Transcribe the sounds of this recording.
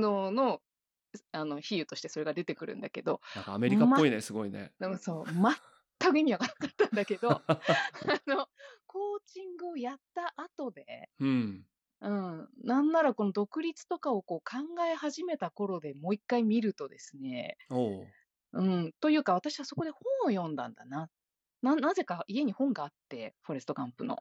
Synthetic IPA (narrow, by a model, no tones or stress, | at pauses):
noːno̞ | ano̞çijɯ̟t̪o̞ɕi̥t̪e̞so̞ɾe̞ɡad̪e̞t̪e̞kɯ̟ɾɯ̟̰̃nd̪ake̞d̪o̞akaːme̞ɾʲikamaoinesɨɡo̞inḛɯso̞ːma | t̪ːakɯ̟iɲ̟iakat̪akat̪ːãnd̪ake̞d̪o | ano̞kʰo̞ːt͡ɕĩŋɡɯ̟o̞jat̪ːaʔat̪o̞d̪e̞̰ | ɯ̟̃ɴnãnːaɾako̞no̞d̪o̞kɯ̟ɾʲit͡sɨ̥t̪o̞kao̞ko̞ːkʰãŋɡae̞haʑime̞t̪ako̞ɾo̞d̪e̞mo̞ːikːaimʲiɾɯ̟t̪o̞d̪e̞sɨne̞̰o | ɯ̟̃ɴt̪o̞jɯ̟ːkaβ̞at̪aɕiβaso̞ko̞d̪e̞hõ̞ɰ̃ojõ̞nd̪ã̰nd̪ana | nanaze̞kaie̞ɲ̟ihõ̞ŋɡaːt̪ːe̞ɸo̞ɾesɨ̥t̪o̞kãmpɯ̟no̞̰